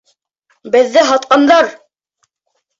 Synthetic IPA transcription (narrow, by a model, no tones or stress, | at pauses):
bɘ̆ðːɘɦɑt̪qɑnd̪ɑɾ